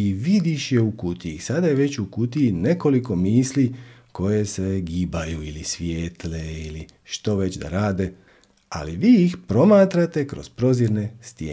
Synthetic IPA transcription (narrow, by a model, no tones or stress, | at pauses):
iʋid̪iʃjeukut̪iisad̪aje̞ʋe̞t͡ɕukut̪iine̞ko̞liko̞miːsliko̞je̞se̞ɡiːbajuilisʋjeːt̪leili | ʃt̪o̞ʋe̞t͡ɕd̪a̰ɾaːd̪e̞ | a̰liʋiːixpɾo̞maːt̪ɾat̪e̞kɾo̞̰z̥pɾo̞ziɾne̞st̪jeː